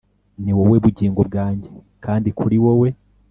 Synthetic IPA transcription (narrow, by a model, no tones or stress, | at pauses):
niwowe̞βuɟiːŋɡob̚ɡaːɲɟe̞ | kaːndikʰuɾiwowe̞